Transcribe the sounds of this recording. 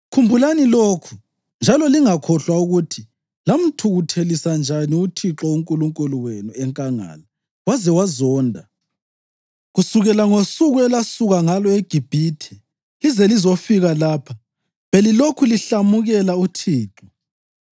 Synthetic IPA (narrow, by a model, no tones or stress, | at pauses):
kʰumbʱulaniloːkʰu | nd͡ʒʱalɔliŋakʰɔɬwauɣutʰi | lam̩tʰuɣutʰelisand͡ʒʱaniutʰiǁɔuŋkʼuluŋkʼuluwenuɛŋkʼaŋa̰ːla | wazɛwazɔːndʱa | ɣusuɣɛlaŋosuɣuɛlasuɣaŋalɔeɡ̥ʱib̥ʱiːtʰɛ | izɛlizofiɣalaːpʰa | βɛlilokʰuliɬamuɣɛlautʰiːǁɔ